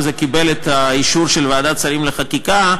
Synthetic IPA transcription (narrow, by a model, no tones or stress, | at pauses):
zekibe̞let̪aiʃuɾʃelvaad̪att͡saɾimleχakika